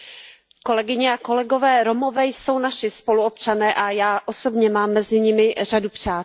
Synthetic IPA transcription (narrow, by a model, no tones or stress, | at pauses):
ko̞lɛɡɪɲɛako̞lɛɡo̞vɛːɾomo̞vɛːjso̞wnaʃɪspo̞luo̞pt͡ʃanɛːʔajaːʔoso̞bɲɛmaːmːɛzɪɲɪmɪradupr̝̥aː